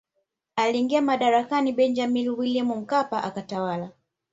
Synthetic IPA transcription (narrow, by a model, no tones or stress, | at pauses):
aliːŋɡiamaɗaɾakaniɓɛnd͡ʒamilwilimum̩kapaʔakatawala